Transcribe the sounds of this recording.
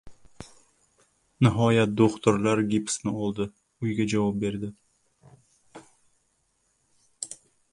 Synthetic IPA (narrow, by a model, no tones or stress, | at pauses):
nɪɦɒjat̪̚d̪oχt̪ʊɾlaɾɡʲipsnɪɒlˠd̪ɪ | ʊjɡʲad͡ʒavɒp̚be̞ɾd̪ɪ